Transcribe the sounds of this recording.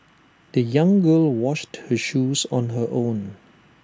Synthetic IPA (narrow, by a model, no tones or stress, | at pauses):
d̥əjãŋɡəlwɔʃthəʃuːsɔ̃nɦəʔõn